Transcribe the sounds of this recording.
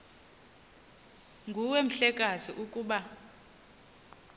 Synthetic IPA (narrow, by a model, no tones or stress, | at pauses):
ŋɡʱuwem̩ɬɛkʼaziʔukʼuːɓa